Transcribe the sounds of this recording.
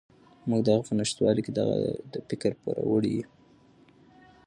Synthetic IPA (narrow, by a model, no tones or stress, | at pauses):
muɡd̪aɣapənaʃt̪wɑliked̪aɣa̰d̪əfɪkəɾpuɾawəɽiji